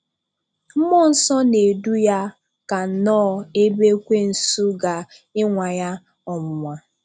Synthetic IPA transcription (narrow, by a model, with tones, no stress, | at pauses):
m̩˦mɔ˦˨n̩˨sɔ˦ne˨du˦ja˦ | ka˨n̩˨nɔː˦˨e˦be˦kʷe˦n̩˨su˦ɡa˨ | ɪ˦ŋʷa˨ja˦ | ɔ˨mʊ˨ŋʷa˨